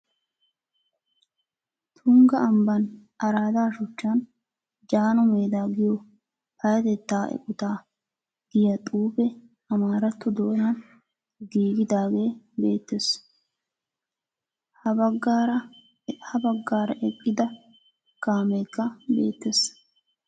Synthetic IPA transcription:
t̪ʰʊŋɡɐɐmbɐnʔɐɾaːd̪aːʃʊt͡ʃːan | d͡ʒaːnɔmeːd̪aːɡɪjɔ | pɐjɐt̪ɛt̪ːaːɛ̰kʼʊt̪aː | ɡ̥ɪjɐt̪ʼuːbɛ | ɐmaːɾɐt̪ːʊd̪oːnɐn | ɡiːɡɪd̪aːɡe̞ː | be̞̰ːt̪ːeːs | hɐbɐɡːaɾɐ | hɐbɐɡːaːɾɐʔɛkʼːɪd̪ɐ | kaːmɛjkːɐbḛːt̪ːes

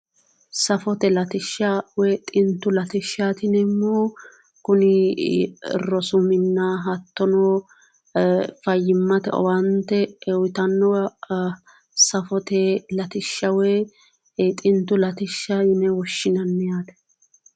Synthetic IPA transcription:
sɐfɔt̪ɛlɐt̪ɪʃːawɛt̪ʼɪnt̪ːʊlɐt̪ɪʃːat̪ɪnɛmːoː | kʊnɪ | ɪ̰rːɔsʊmɪnːaɦɐt̪ːɔnoː | fɐjːɪmːɐt̪ɛ̰ɔ̰wɐnt̪ːɛwɪt̪ɐnːɔ | sɐfɔt̪ɛlɐt̪ɪʃːɐweː | t̪ʼɪnt̪ːʊlɐt̪ɪʃːaɪnɛwɔʃːɪnɐnːɪjaːd̪ɛ̥

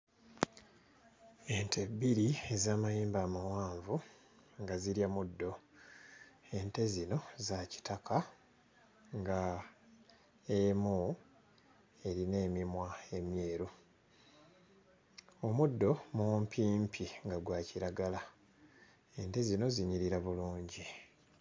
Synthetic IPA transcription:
e̞ntʰe̞bːiɾiezaːmajiːmbaːmawaːɱvu | ŋɡaziɾjamudːo̞ | e̞nte̞zino̞zaci̥takʰa | ŋɡa | emu | e̞ɾine̞ːmimwae̞mje̞ːɾo | omudːo̞mumpʰiːmpʰiŋɡaɡwaːciɾaɡala | e̞nte̞zino̞ziɲiɾiɾaβuluːɲɟi

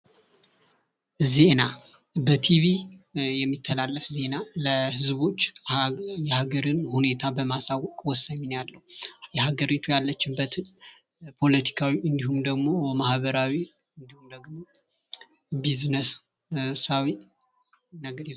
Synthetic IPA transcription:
zena | bət̪ʰiβijɛmːit̪ʰːəlalːəfze̞naləhɨzbo̞t͡ʃː | jɛhaɡəɾɨnhune̞t̪ʰabəmasawɔkʼwɔsːaɲːɪnjalːəhujɛɦaɡəɾit̪ʰujalːət͡ʃːɪmbət̪ | pʰo̞lət̪ʰi̥kʰawiʔɨnd̪ihumd̪əɡmo̞əmahβəɾawi | ɨnd̪ihumd̪əɡmo̞ | biznəs | sawi | nəɡ

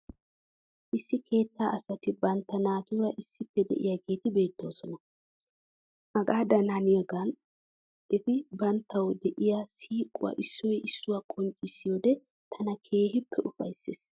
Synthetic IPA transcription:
ʔɪsːɪkʰe̞ːt̪ːaːʔɐsɐt̪ɪbɐnt̪ːɐnaːt̪ʊɾɐʔɪsːɪpːɛd̪ɛ̰ʔɪ̰jaɡe̞ːt̪ɪbe̞ːt̪ːo̞ːsɔnɐ | ʔɐɡaːd̪ɐnɐnɪjɛɡɐn | ɪt̪ɪbɐnt̪ːɐwd̪ɛʔɪjasiːkʼʊwɐ̰ʔɪsːɔjʔɪsːʊwaːkʼɔnt͡ʃʼɪsːɪjoːd̪ɛ | t̪ʰɐnɐkʰe̞ːɦɪpʰːɛʔʊfɐ̰jsːeːs

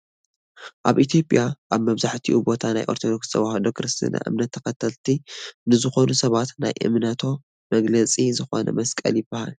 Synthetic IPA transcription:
ʔaβʔit̪ʰijo̞pʼjaʔaβmɐβzaħt̪ʰiʔubo̞t̪ʰana̰jʔo̞̰ɾt̪ʰod̪o̞kst̪ʰɐβahod̪okʰɾɨst̪ʰḭna̰ʔɨ̰mnɐt̪ʰːɐkɐt̪ʰɐlt̪ʰinɨzɨxo̞nusɐβat̪na̰jʔɨ̰mnɐt̪ʰo̞ | mɐɡlɐt͡sʼizɨxo̞nɐ̰mɐskʼɐ̰ljɪb̥ːaha̰l

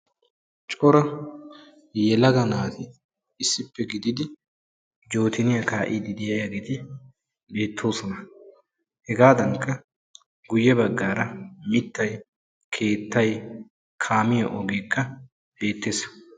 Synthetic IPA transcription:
t͡ʃʼɔɾɐ | jɛlɐɡɐnaːt̪ʰɪː | sːɪpːɛɡɪd̪ɪd̪ɪ | d͡ʒo̞ːt̪ɪnɪjɐkaːʔɪd̪ɪd̪ɪjɐjɐɡɛt̪ɪ | be̞ːt̪ʰːo̞ːsɔnɐ | hɛɡaːd̪ɐŋkːɐ | ɡʊjːɛbɐɡːaːɾɐmɪt̪ːɐj | kʰe̞ːt̪ːɐj | kʰaːmɪjɔʔɔɡe̞ːkːɐ | be̞ːt̪ːe̞ːs

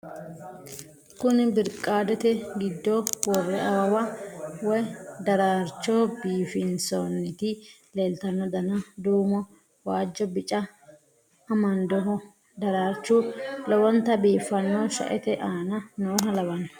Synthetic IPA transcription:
kʊnɪbɪɾkʼːaːd̪ɛt̪ɛɡɪd̪ːɔwɔrːɛʔɐwɐwɐwɔjd̪ɐɾaːɾt͡ʃːoːbiːfɪnsonːɪt̪ɪ | le̞ːlt̪ɐnːɔd̪ɐnɐd̪uːmɔ | waːd͡ʒːɔbɪt͡ʃʼːɐː | mɐnd̪ɔɦɔ | d̪ɐɾaːɾt͡ʃːulɔwɔnt̪ɐbiːfːɐnːɔʃɐ̰ʔɛt̪ɛʔaːnɐnoːɦɐlɐwɐnːɐ

